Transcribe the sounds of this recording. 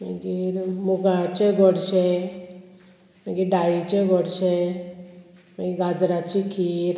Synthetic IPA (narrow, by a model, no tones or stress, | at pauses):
məɡiɾmuɡat͡ɕeɡʱɔɽɕe | maɡiɖaɭit͡ɕeɡʱɔɽɕe | maɡiɡad͡zɾat͡ɕikʰiɾ